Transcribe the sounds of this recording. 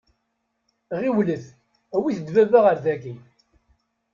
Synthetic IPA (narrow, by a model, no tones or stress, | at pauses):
ʁiwləθ | æwiθəd̪vævaʁəɾðæɡi